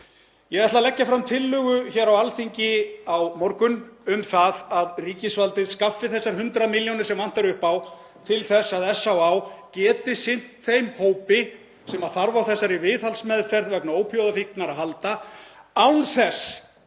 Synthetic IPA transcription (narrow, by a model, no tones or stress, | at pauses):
jɛɣɛht̪lalɛcːafɾamt̪ʰɪlːʏɣʏçɛːɾawalfiɲcɪawmɔɾkʏnʏmθaðaðriːcɪsvalt̪ɪðskafːɪθɛsːaɾ̥ɦʏnt̪ɾamiljonɪɾ̥sɛmvan̥t̪aɾʏhpaw | t̪ʰɪlθɛsːaðɛsːawawcɛːt̪ɪsɪn̥t̪θejmhoːwpɪ | sɛmaðθaɾvaθɛsːaɾivɪːθhalsmɛðfɛɾðvɛknaoːwpʰjowðafihknaɾaðɦalt̪aawnθɛs